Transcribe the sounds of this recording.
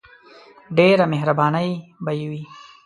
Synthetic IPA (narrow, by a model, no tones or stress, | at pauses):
ɖeɾameɦɾabɑnəjbajiwi